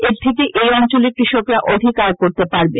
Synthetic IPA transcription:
eɾt̪ʰek̬eʔejɔnt͡ɕoleɾkɾiʃokɾaʔod̪ʱikaɾkoɾt̪epaɾbe

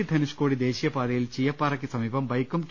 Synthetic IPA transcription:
id̪ʱɐnuʂkoːɽid̪eːɕijɐpaːd̪ɐjilt͡ɕijɐpːaːɾɐk̬ʲːisɐmiːbɐmbɐjkːumk

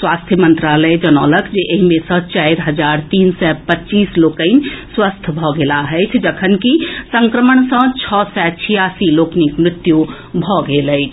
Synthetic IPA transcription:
swast̪ʰjəmənt̪ɾaləjd͡ʒənɔləkd͡ʒeʔeɦimesə̃t͡ʃajɾɦəd͡ʒaɾt̪iːnsɛpətːt͡ʃiːslokəɪnswəst̪ʰbʱɔɡelaɦəjt͡ʃʰd͡ʒəkʰənkisəŋkɾəməɳ̃sə̃t͡ʃʰɔsɛt͡ʃʰijasiloknikmɾɪt̪ju | bʱɔɡeləɪt͡ʃʰ

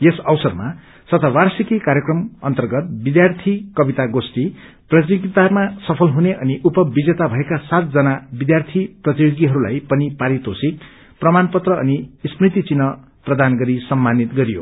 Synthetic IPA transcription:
jesʌwsʌrma̰ | sʌt̪ʌwarsikikaɾjekrʌmʌ̰nt̪ʌrɡʌt̪̚bid̪jart̪ʰikʌbit̪aɡosʈi | prʌt̪̬joɡit̪amasʌpʰʌlɦuneʔʌniʔupʌbid͡zet̪abʱʌekasat̪̚d͡zʌnabid̪jart̪ʰiprʌt̪ijoɡiɦʌɾula̰jpʌnipaɾit̪osik | prʌmanpʌt̪rʌʌ̰nisprit̪it͡sinʌ | prʌd̪anɡʌɾisʌmːanit̪ɡʌɾijo̰

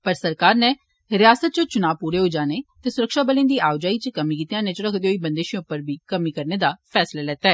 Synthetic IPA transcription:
pəɾsəɾkaːɾneː | ɾɪjaːsət̪̚t͡ʃõːt͡ʃʊnaːʋpuːɾeːɦoːd͡ʒaːneːt̪eːsʊɾəkʃaːbəlẽːnd̪iːaːʊd͡ʒaːiːt͡ʃəkəmiːkiːt̪ijãːneːt͡ʃəɾəkʰd̪eoiːbənd̪eːʃiõʊpːəɾbʱiːkəmiːkəɾneːd̪aːpʰɛːslaːlɛːt̪aːɛː

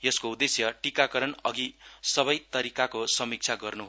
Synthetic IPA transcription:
jʌskoud̪esjʌʈikakʌɾʌnʌɡisʌβʌjt̪ʌɾikakosʌmik̚t͡sʰaɡʌrnuɦ

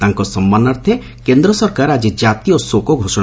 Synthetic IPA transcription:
t̪aŋkɔsɔmbanaɾt̪ʰe | kend̪ɾɔsɔɾkaɾad͡ʒid͡ʒat̪ijosokɔɡʱosɔɽ̃

